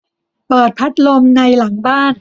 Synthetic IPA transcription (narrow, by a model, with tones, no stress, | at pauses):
pɤː˨˩t̪̚pʰa˦˥t̪̚lo˧mna˧jla˩˦ŋbaː˥˩n